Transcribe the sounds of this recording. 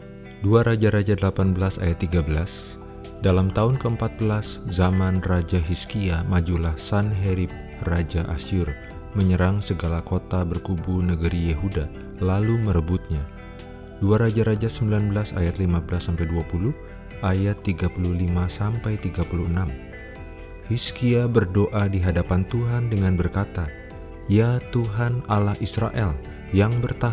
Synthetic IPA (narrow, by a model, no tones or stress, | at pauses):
duaɾad͡ʒaɾad͡ʒadəlapanbəlasa̰jat̪ːiɡabəlas | dalamt̪aʊnkəəmpat̪̚bəlaszamanrad͡ʒaɦiskiamad͡ʒulahsanɦeɾip̚ | rad͡ʒaʔa̰sur | məɲəɾaŋsəɡalakot̪abərkubunəɡəɾijeɦuda | laluməɾəbut̪̚ɲa | duarɾad͡ʒaɾad͡ʒasəmbilanbəlasa̰jat̪limabəlasːampajduapuluh | ʔajat̪ːiɡapuluhlimasampajt̪iɡapuluənam | hiskiabərdoʔadiɦadapant̪uɦandəŋanbərkat̪a | jat̪uɦanalahisɾaʔɛl | jaŋbərt̪a